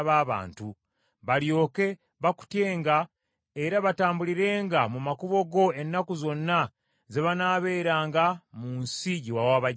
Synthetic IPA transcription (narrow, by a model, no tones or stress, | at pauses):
βaːβa̰ːntu | βaljo̞ːke̞ | βaku̥tje̞ːŋɡa | e̞ɾaβataːmbuliɾe̞ːŋɡamumakuβo̞ɡo̞e̞nːakuzo̞nːa | ze̞βanaːβe̞ːɾaːŋɡamuːnsiɟiwawaːβa